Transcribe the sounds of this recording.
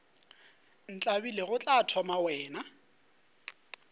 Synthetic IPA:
n̩t͡ɬʼabileɣʊt͡ɬʼatʰɔmawɛːna

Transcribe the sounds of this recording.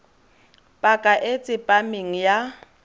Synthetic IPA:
pʼakʼaʔet͡sʼɪpʼamɪŋ̩ja

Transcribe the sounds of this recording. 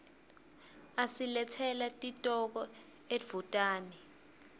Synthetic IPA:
asilɛtʰɛlatʼitʼɔk̬ɔ | e̥v̥utʼaːnɛ

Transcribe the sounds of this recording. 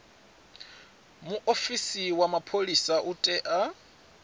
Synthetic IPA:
muʔofisiwamapʰolisaʔutʼɛʔa

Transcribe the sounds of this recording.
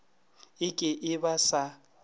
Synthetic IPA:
ɪkʼɪʔɪbasa

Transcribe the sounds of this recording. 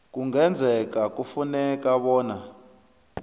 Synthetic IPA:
kuŋɡɛnd͡zʱɛkakufunɛkaβɔːna

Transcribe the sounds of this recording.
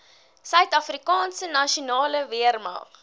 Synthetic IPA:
sœɥtɐfrikɑːnsənɐʃunɑːləviərmɑ̰ːχ

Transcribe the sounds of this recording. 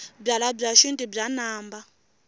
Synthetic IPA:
b͡ʐalab͡ʐaʃuntʼibb͡ʐanaːmba

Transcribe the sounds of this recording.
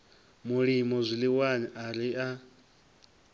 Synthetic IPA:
muɺimɔzʷiliwaniaɾiʔa

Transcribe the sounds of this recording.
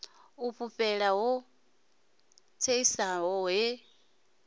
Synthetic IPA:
uɸʰuɸɛɺaɦɔ | t͡sʰeisaɦɔɦɛ

